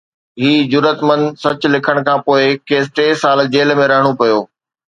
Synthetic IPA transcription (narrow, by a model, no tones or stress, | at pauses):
ɦiːd͡ʑʊɾət̪mə̃nd̪sɐt͡ɕlɪkʰəɽ̃kʰãːpoːɪkeːs̬ʈeːsaːld͡ʑeːlmẽɾɐɦəɽ̃opɐjoː